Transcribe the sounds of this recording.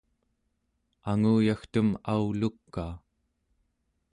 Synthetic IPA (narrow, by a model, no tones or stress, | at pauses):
aŋuːjaxt̪umaulukːaː